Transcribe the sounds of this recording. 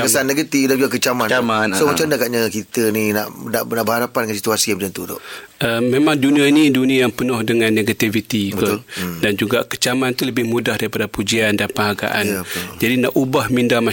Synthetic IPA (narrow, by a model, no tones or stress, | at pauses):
kəsanːeɡət̪ifdad͡ʒuɡakət͡ʃamanamasomat͡ʃamdaɡaʔɲakit̪ənina̰ʔnaʔnaʔbəɦaɾapandəŋansi̥t̪uasiampd͡ʒant̪ut̪ɔ̰ʔʔəmemãŋduniainiduniajaŋpənʊhdəŋãnːeɡat̪ivit̪ik̪dand͡ʒuɡaʔkə̥t͡ʃamant̪uləbɪhmudahdaɾipadapud͡ʒiandapəŋɦaɡa̰ʔand͡ʒadinaʔubahmindama